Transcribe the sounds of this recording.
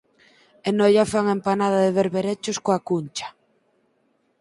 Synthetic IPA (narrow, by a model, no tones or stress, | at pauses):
enɔjafaŋempanað̞aðeβeɾβeɾet͡ʃoskoakunt͡ʃḁ